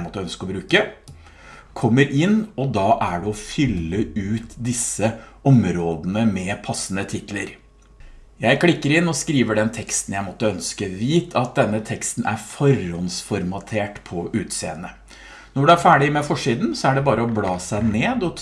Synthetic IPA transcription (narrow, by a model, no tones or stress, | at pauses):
mɔt̪ːəœnskəɔbɾʉːkə | kʰɔmːəɾʔɪnːɔd̪ɑːʔæɖɛɔfʏlːəʉːt̪d̪ɪsəɔmɾoːd̪ənəmɛpʰɑsːənət̪ʰɪt̪ləɾ | jæɪkʰlɪkːəɾɪnːɔskɾiːʋəɖɛnt̪ʰɛkst̪n̩jæɪmɔt̪ːəœnskəʋiːt̪ʰɑt̪̚d̪ɛnːət̪ʰɛkst̪nʔæ̰ɾfɔɾɔnsfɔɾmɑt̪ʰeːʈpʰɔʉːt̪sḛːənə | nɔɖɛæɾfæːɖɪmɛfɔʂiːd̪nsɔæɖɛbɑːɾəɔblɑːsæɪneːd̪ɔ